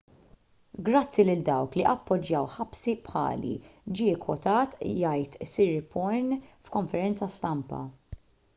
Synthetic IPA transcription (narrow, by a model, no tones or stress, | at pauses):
ɡɾɐt͡sːilɪld̪ɐwkliʔɐpːɔd͡ʒjɐwħɐpsipħɐ̰ːlḭd͡ʒiɪkwɔt̪ɐːt̪jɐjt̪siɾɪpɔɾnfkɔɱfɛɾɛnt͡sɐst̪ɐmpɐ̰